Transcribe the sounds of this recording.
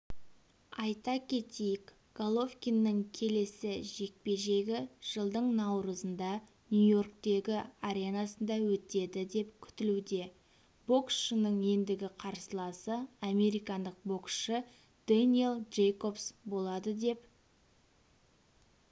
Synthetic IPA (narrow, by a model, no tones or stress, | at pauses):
ɑjt̪ɑkʲʰe̞t̪ejɪk | ɡ̥alˠo̞fkʲinːɪŋkʲʰe̞le̞sɪʒe̞k̚pe̞ʒe̞ɡʲɪʒ̥əlˠd̪əɴnɑwɾəzənd̪ɑ | nʲjujo̞rkt̪e̞ɡʲɪaɾenɑsənd̪ɑwɵt̪e̞d̪ɪd̪e̞pkʲʰʏ̥t̪ɪlud̪e̞ | bo̞ksʃənəɴje̞nd̪ɪɡʲɪqʰɑɾsəlˠɑsəame̞ɾijkɑnd̪əq̚bo̞ksʃə | d̪̥enʲielˠʒejko̞psbo̞lˠɑd̪əd̪e̞p